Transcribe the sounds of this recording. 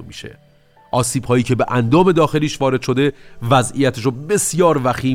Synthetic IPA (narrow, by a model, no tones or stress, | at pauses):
miːʃḛ | ʔɒːsiːb̥hɒːjiːcʰe̞beʔænd̪ɒːme̞d̪ɒːxe̞liːʃvɒːɾe̞d̪̥ʃo̞d̪e̞væzʔijæt̪ʰeʃ̬obe̞sjɒːɾvæxiː